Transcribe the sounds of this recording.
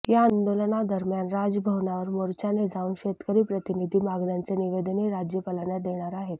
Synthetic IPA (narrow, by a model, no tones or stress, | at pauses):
jaːnd̪olnad̪əɾmjanɾad͡zəbʱəʋnaʋəɾmoɾt͡ɕaned͡zʱauːnɕet̪kəɾiːpɾət̪inid̪ʱiːmaɡɳjant͡seniʋed̪əniɾad͡ʑjəpəlaɳjad̪eɽ̃aɾaɦet̪